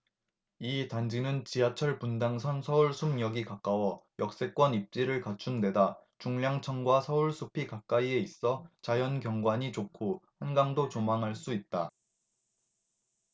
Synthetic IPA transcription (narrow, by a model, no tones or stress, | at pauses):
itand͡ʑinɯnt͡ɕiɦat͡ɕʰʌɭpundaŋsʰʌnsʰʌuɭsʰumɲʌɡikak͈awʌjʌk̚s͈e̞k͈wʌnip̚t͡ɕ͈iɾɯɭkat͡ɕʰunde̞dat͡ɕuŋʎjaŋt͡ɕʰʌnɡwasʰʌuɭsʰupʰikak͈aie̞is͈ʌt͡ɕajʌnkjʌŋɡwaɲit͡ɕokʰohanɡaŋdot͡ɕomaŋɦaɭs͈uit̚t͈a